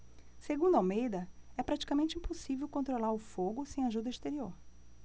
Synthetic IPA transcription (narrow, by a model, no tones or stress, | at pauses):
seɡũnd̪ʊawmejd̪ɐɛpɾat͡ʃi̥kamẽnt͡ʃɪĩposivewkõnt̪ɾolaɾʊfoɡʊsẽj̃aʒud̪ɐist̪eɾioɾ